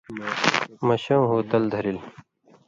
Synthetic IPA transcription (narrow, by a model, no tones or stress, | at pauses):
mɐɕɐmɦuːt̪ɐld̪ʱɐɾil